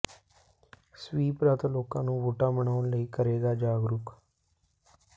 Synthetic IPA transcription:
swiːpɾat̪loːkãːnũːʋoːʈaːməɳaːnləiːkəɾeːɡaːd͡ʒaːɡɾʊk

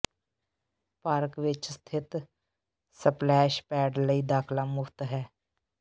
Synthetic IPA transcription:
paɾkʋɪt͡ʃst̪ʰɪt̪ | səplɛːʃpɛːɖləiːd̪aːkʰlamʊkʰt̪ɦɛː

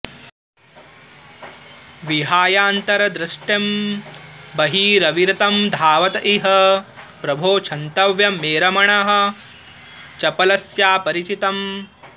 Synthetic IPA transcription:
ʋiɦaːjaːnt̪ɐɾɐd̪ɾɐʂʈjɐm | bɐɦiːɾɐʋiɾɐt̪ɐmd̪ʱaːʋɐt̪ɐʔiɦɐ | pɾɐbʱoːt͡ʃʰɐnt̪ɐʋjɐmeːɾɐmɐɳɐɦɐ̆ | t͡ʃɐpɐlɐsjaːpɐɾit͡ʃit̪ɐm

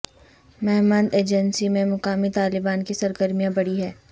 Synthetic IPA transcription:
mɛɦmə̃nd̪eːd͡ʒənsimẽmʊqaːmit̪aːlɪbaːnkisɐɾɡəɾmijãbɐɽiɦɛː

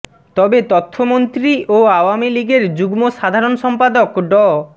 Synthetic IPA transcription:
t̪ɔbet̪ɔt̪ʰːomont̪ɾiʔoawamiliɡeɾd͡ʑuɡmoʃad̪ʱaɾonʃɔmpad̪okɖɔ

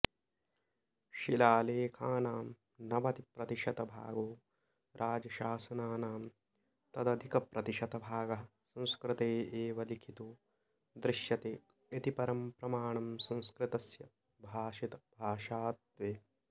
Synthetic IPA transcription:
ʃilaːleːkʰaːnaːm | nɐʋɐt̪ipɾɐt̪iʃɐt̪ɐbʱa̰ːɡoː | ɾʔaːd͡ʒɐʃaːsɐnaːnaːm | t̪ɐd̪ɐd̪ʱikɐpɾʔɐt̪iʃɐt̪ɐbʱaːɡɐɦɐsɐ̃w̃skɾɪt̪eːeːʋɐlikʰit̪uː | d̪ɾɪʃjɐt̪eː | et̪ipɐɾɐmpɾɐmaːɳɐmsɐ̃w̃skɾɪt̪ɐsjɐ | bʱaːʃit̪ɐbʱaːʃaːt̪̚ʋeː

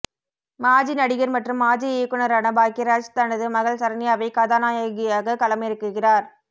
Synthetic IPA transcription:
maːd͡ʒinɐɽɪɣɐɾmɐʈrɯmːaːd͡ʒieːkɯnɐɾanɐbaːkɪɾaːt͡ʃt̪ɐɳɐðɯmɐɣɐɭsɐɾɐnɪjaːʋɐɪkɐðaːnaːjaɣɪjaːɣɐkɐlɐmɐjɪɾɯkːɯɣɪraːɾ

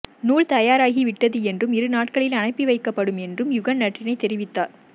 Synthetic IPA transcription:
nuːɭt̪ɐjaːɾaːɣiʋɪʈːɐðɯɛndrɯmɪɾɯnaːʈ̚kɐɭɪlɐnɐɪpːiʋɐɪkːɐpːɐɽɯmɛndrɯmjʊɣɐnnɐʈrɪnɐɪt̪ːɛɾɪʋɪt̪ːaːɾ

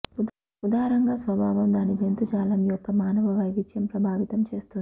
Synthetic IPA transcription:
ud̪aːɾɐŋɡaːsʋɐbʱaːʋɐmd̪aːnid͡ʒent̪ut͡ʃaːlɐmijɔpːɐmaːnɐʋɐʋɐjʋid͡ʒjɐmpɾɐbʱaːʋit̪ɐmt͡ʃe̞ːst̪und̪i

